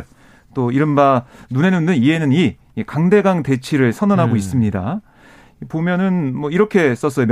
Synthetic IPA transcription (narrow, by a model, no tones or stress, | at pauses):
t͈oiɾɯnbanune̞nundɯnie̞nɯni | kaŋde̞ɡaŋte̞t͡ɕʰiɾɯɭsʰʌnʌnɦaɡois͈ɯmɲida̰ | pomjʌnɯnmwʌiɾʌkʰe̞s͈ʌs͈ʌjom